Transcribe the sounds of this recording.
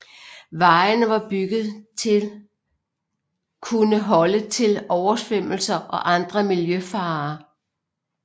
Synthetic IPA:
ʋɑ̈ɪnəʋɑ̈b̥yɡ̥ð̩ˠt͡sʰe | kʰunəɦɒ̽lət͡sʰe̝lɒʊɐsʋem̰l̩sɐʔɒ̽ʔɑ̈nd̥ʁɐmiljøfɑ̈ː

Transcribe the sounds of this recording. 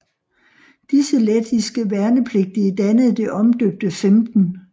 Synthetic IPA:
d̥isəled̥isɡ̥əʋæɐnəpʰle̝ɡ̥̚d̥id̥ænəð̩ˠd̥e̝ʔɒ̽md̥øb̥̚d̥əfemd̥n̩

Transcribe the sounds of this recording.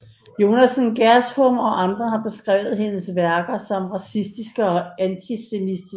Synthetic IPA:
jo̝næsn̩ɡ̥æɐshɔmɒ̽ʔɑ̈nd̥ʁɐhɑ̈b̥e̝sɡ̥ʁɛ̰ʊð̩ˠhe̝nəsʋæɐɡ̥ɐsɒ̽mʁɑ̈sisd̥isɡ̥əɒ̽ænt͡sʰise̝misd̥i

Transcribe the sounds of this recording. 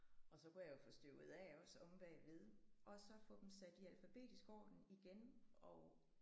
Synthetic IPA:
ɒ̽sɒ̽kujɑjofɔsd̥øʊ̰ð̩ˠɛɒ̽sɔ̽mb̥ɛɪʋe̝ð̞ˠʔɒ̽sɒ̽fɔ̰̽ːd̥em̩sæd̥iælfæb̥e̝̰ːd̥isɡ̥ɒ̰ːd̥n̩iɡ̥enɒʊ

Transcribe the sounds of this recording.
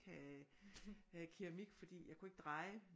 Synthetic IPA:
kʰæ | kʰiʁamiɡ̥fɒ̽d̥ḭːjɑ̈ɪkʰue̝ɡ̥əd̥ʁɑ̈ɪ

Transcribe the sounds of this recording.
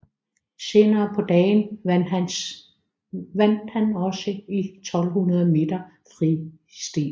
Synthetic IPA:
se̝ːnɐːpʰɒ̽d̥ɛːn | ʋæn̰d̥hænɒ̽səit͡sʰɒ̽l̰hunɐð̞ˠme̝̰ːd̥ɐ | fʁi | sd̥ḛː

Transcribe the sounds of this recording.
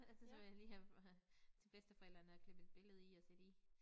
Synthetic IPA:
ælsɐsɒʋe̝jaliːhæ | t͡sʰe̝b̥esd̥əfɒel̰d̥ɐnəɒkʰle̝b̥əed̥̚b̥e̝ləð̞̩ˠiɒ̽sed̥i

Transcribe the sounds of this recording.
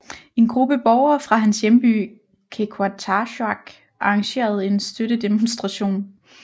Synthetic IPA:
e̝nɡ̥ʁub̥əb̥ɒʊɐfʁɑ̈ɦænsjemb̥y̰ː | kʰekʰɑt͡sʰɑɕɑɡ̥ | ʔɑ̈ɑ̈ŋɕe̝̰ːɐð̞̩ˠe̝nsd̥øɾ̥əd̥emonsd̥ʁɑ̈ɕo̝̰ːn

